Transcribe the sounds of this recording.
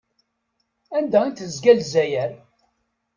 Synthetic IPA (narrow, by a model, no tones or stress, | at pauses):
ænd̪æint̪əzɡælzæjæɾ